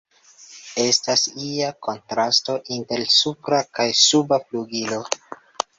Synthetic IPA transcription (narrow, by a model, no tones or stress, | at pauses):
e̞stasiako̞ntɾasto̞ʔinte̞ɾsupɾakajsubapluɡilo̞